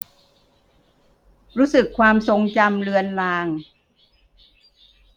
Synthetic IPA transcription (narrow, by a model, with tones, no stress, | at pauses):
ɾuː˦˥sɯ˨˩kʰːwaː˧mso˧ŋt͡ɕa˧mlɯ˧ənlaː˧ŋ